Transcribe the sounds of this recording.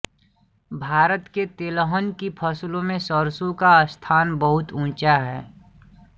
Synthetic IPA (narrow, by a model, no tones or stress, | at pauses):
bʱaːɾət̪ket̪eləɦənkipʰəslõmẽsəɾsukast̪ʰaːnbəɦʊt̪ũːt͡ʃaɦɛː